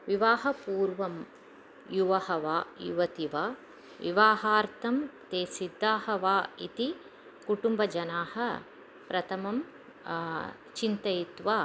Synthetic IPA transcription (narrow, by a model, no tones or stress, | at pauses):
ʋiʋaːɦɐpuːɾʋɐm | juʋɐhɐʋaːjṵʋɐt̪iʋaː | ʋḭʋaːɦaːɾt̪ʰɐmt̪eːsid̪ʱːaːhɐʋaːit̪i | kuʈumbɐd͡ʒɐnaːhɐ̆ | pɾɐt̪ʰɐmɐm | t͡ʃint̪ɐjit̪ʋaː